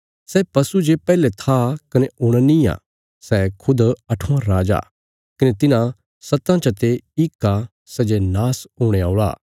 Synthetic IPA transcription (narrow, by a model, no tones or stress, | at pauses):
sɛpɐsud͡ʒepɛːlet̪ʰakɐneʊɽ̃anĩa̰ː | sɛkʰʊd̪ɐʈʰũãɾaːd͡ʒa̰ː | kɐnet̪ɪnã | sɐt̪ãt͡ʃɐt̪eɪkːa | sɛd͡ʒenaːsʊːɽ̃eaːʊɭa̰ː